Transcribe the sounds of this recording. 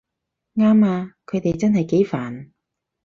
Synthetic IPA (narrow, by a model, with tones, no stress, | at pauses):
ŋaː˥maː˧kʰɵ˨˧ɥt̪e˨jt͡sɐ˥nɦɐ˨jke˨˥jfaː˨˩n